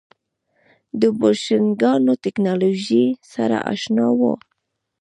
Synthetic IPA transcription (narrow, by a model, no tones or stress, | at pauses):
d̪əboʃɪnɡɑnot̪ɪknɑloʒisaɾa̰ʔa̰ʃnɑwo̰